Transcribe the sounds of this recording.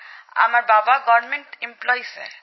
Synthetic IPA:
a̰maɾbabaɡɔɾmeɳʈemplɔjsḛ

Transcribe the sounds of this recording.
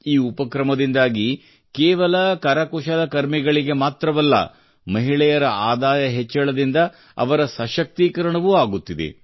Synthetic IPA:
iːupɐkɾɐmɐd̪ind̪aːɡi | keːʋɐlɐkɐɾɐkuʃɐlɐkɐɾmiɡɐɭiɡe̞maːt̪ɾɐʋɐlːɐ̰ | mɐɦiɭɛjɐɾɐaːd̪aːjɐɦet͡ʃːɐɭɐd̪ind̪ɐ | ɐ̰ʋɐɾɐsɐʃɐk̚t̪ikɐɾɐɳɐʋuaːɡut̪ːid̪ḛ

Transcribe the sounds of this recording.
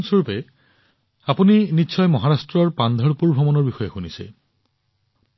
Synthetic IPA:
nsoɹupɛ | apuninitːʃʰɔjmɔɦaɹastɹɔɹpand̪ʱɔɹpuɹbʱɔmɔnɔɹbixɔjexunisɛ̰

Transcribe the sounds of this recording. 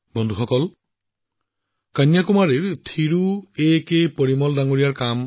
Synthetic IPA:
bɔnd̪ʱuxɔkɔl | kanjakumaɹiɹt̪ʰiɹuekejpoɹimɔldaŋoɹijaɹkam

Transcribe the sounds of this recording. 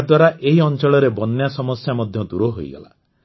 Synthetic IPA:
d̪waɾaʔeɦiɔnt͡ʃɔɭɔɾebɔnːjasɔmɔsjamɔd̪ʱjɔd̪uɾɔɦo̰jɡɔ̰la̰

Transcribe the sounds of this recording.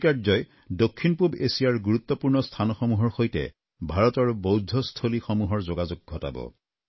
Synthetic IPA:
kazɔj | dokʰːinpubesijaɹɡuɹut̪ːɔpuɹnɔstʰanɔxɔmuɦɔɹxojtɛ̰ | bʱaɹɔtɔɹbowdʱɔstʰolixomuɦɔɹzoɡazuɡ̚ɡʱɔta̰bɔ̰

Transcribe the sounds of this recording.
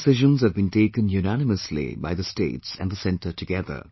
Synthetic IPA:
sɪʒə̃nzhɨvbĩnʈeːkə̃njunænɪməslḭbaɪðəsʈḛːtsæ̃nd̪əsɛ̃nʈəʈɨɡɛðə̰ɾ

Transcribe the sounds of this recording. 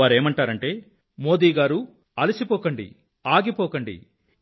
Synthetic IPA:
aːɾe̞ːmɐɳʈaːɾɐɳʈe̞ː | mo̞ːd̪iːɡaːɾu | ɐlisipɔːkɐɳɖḭ | aːɡipɔːkɐɳɖḭ

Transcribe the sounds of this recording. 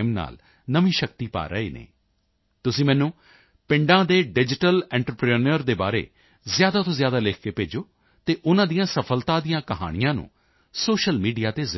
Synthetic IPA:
mna̰ːl | nəmĩːʃək̚t̪iːpa̰ːɾəḛːnḛː | t̪ʊsĩːmɛ̃ːnũː | pɪ̃ɳɖãːd̪eːɖɪd͡ʒɪʈəlɛ̃ːɳʈɾəpɾenəɾd̪eːba̰ːɾḛː | zjaːd̪aːt̪õːzjaːd̪aːlɪkʰkeːpeːd͡ʒoː | t̪eːʔʊnãːd̪ijãːsəpʰəlt̪ãːd̪ijãːkəɦa̰ːɽ̃ijãːnṵ̃ː | soːʃəlmiːɖijaːt̪eːz

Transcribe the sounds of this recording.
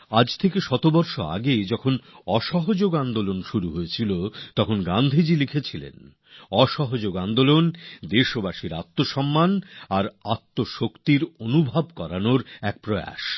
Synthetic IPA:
ad͡ʑt̪ʰekeʃɔt̪obɔɾʃoa̰ɡed͡ʑɔkʰonɔʃɔɦod͡ʑoɡand̪olonʃuɾuɦoet͡ɕʰilot̪ɔkʰonɡand̪ʱid͡ʑilikʰet͡ɕʰilḛn | ɔʃɔɦod͡ʑoɡand̪olond̪eʃobaʃiɾat̪ːoʃɔmːanaɾat̪ːoʃokt̪iɾonubʱabkɔɾanoɾɛk̚pɾɔa̰ʃ

